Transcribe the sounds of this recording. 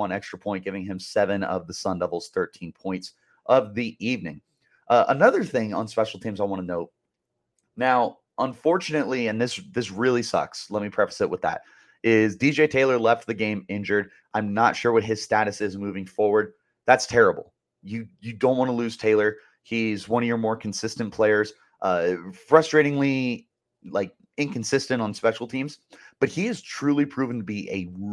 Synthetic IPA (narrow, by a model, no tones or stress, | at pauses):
ʌ̃nɛkstɹ̥əpʰɔ̃ɪ̃nt̚ɡ̥ɪvɪ̃ŋɨ̃msɛvɨ̃nʌ̰vðəsʌ̃ndʌvl̩ˠz̥θɜ˞tʰĩnpʰɔ̃ɪ̃nts | ʔʌvðiʔivnɪ̃ŋ | ʔʌʔənʌðə˞θɪ̃ŋə̰̃nspɛʃl̩ˠtʰĩmzaɪwɑ̃ñənoʊt̚ | naʊ | ʔə̃ɱfɔɹt͡ʃɨnɨʔˡliɨ̃nðɪsðɪs̬ɹɪlˠisʌ̰kslɛt̚mipʰɹ̥ɛfə̥z̥ɨt̚wəðæ̰t̚ | ɪzdid͡ʒeɪtʰeɪlˠə˞lɛft̪̚ðɨɡẽɪ̃mɪ̃nd͡ʒə˞ɾ | ʔãɪ̃mnətʃʊɹwʌt̚ɨz̥stæɾɨsɪzmʉvɪ̃ŋfɔɹwə˞d̪̚ | ðætstʰɛɹɨbl̩ˠ | jɨjɨdõʊ̃ʔ̚wɑñəlʉz̥tʰeɪlˠə˞ | izwʌ̃njə˞mɔɹkʰn̩sɪstɨ̃npʰl̥eɪə˞z̥ | ʔʌfɹʌstɹ̥eɪɾɪ̃ŋli | laɪk̚ | ɨ̃nkn̩sɪstɨ̃ñtn̩spɛʃl̩ˠtʰĩmz̥b̥ʌt̚hiɨz̥tʰɹ̥ʉlˠipʰɹ̥ʉvɪ̃ŋtʰəbiʔɨ